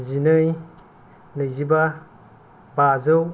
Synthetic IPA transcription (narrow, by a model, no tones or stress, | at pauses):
zinɯj | nɯjziba | bazɯw